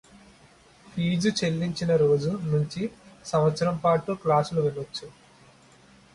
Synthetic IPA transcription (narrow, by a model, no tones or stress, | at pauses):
pʰiːd͡ʒut͡ʃelːiɲt͡ʃinɐɾo̞ːd͡ʒunuɲt͡ʃisɐmʋɐt̪sɐɾɐmpaːʈuːklaːsuluʋɛɭːot͡ʃːu